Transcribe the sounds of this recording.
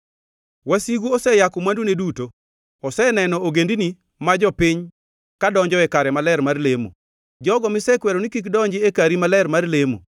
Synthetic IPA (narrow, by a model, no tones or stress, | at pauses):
wasiɡuɔsɛjakɔmwanduneduto | ɔsɛnɛnɔoɡendini | mad͡ʒɔpiɲ | kadɔɲd͡ʒɔɛkaɾɛmalɛɾmarlemo̰ | d͡ʒɔɡɔmɪsɛkwɛɾonikikdɔɲd͡ʒɪekaɾimalɛɾmarlemo̰